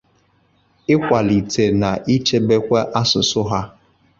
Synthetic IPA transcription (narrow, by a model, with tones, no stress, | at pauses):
ɪ˦kʷa˨li˨te˨na˨ʔi˦t͡ʃe˦be˦kʷe˦ʔa˦sʊ˨sʊ˦ɦa˦